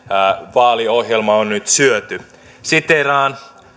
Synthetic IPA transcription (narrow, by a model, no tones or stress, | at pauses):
ʋɑːliohjelmɑonnyt̪syøt̪y | sit̪erɑːn